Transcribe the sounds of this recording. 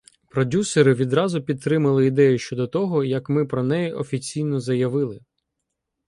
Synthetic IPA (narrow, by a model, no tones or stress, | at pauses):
pɾɔdʲuseɾɪʋʲid̪ɾɑzʊpʲit̪̚t̪ːɾɪmɐlˠɪid̪ɛjʊʃt͡ʃɔd̪ɔt̪ɔɦɔjɐkmɪpɾɔnɛjɛʔɔfʲit͡sʲijnɔzɐjɐʋɪlˠɪ